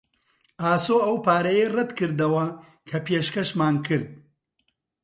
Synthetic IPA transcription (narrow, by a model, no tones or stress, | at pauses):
ʔaːsoːɐwpaːɾɐjerɛd̪kɨɾd̪ɐwɐ | kʰɐpeːʃkɐʃmaːnkʰɨɾd̪̚